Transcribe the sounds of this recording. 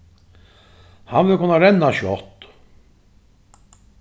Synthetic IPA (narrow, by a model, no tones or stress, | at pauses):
hanvɪlkʰʊnːaɾɛnːaʃɔt̪